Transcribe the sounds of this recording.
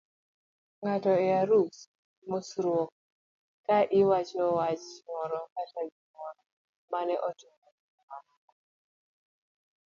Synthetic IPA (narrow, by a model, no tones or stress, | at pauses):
ŋatɔɛaɾus | mosɾwok̚ | kaʔɪwat͡ʃɔwat͡ʃŋɔɾɔkataɡiŋɔɾɔ | manɛʔɔtuŋɔmam